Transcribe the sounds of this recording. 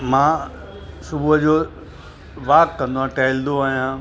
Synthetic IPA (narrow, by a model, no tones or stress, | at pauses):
mãː | sʊbuːɦəd͡ʑoː | ʋaːkkːɐ̃nd̪oãʈɛːɪld̪oaːɦijãː